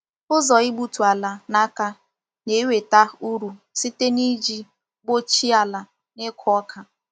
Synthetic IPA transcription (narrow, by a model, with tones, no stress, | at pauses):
ʊ˦zɔ˨ɪ˦ɡ͡bu˦tu˨a˨la˨na˦ka˦ | ne˨˦we˨ta˦˨u˦ɾu˨ | si˦te˦ni˦d͡ʒi˦ | ɡ͡bo˦t͡ʃi˦a˨la˨ | ne˦kʰʊ˦ɔ˦kʰa˨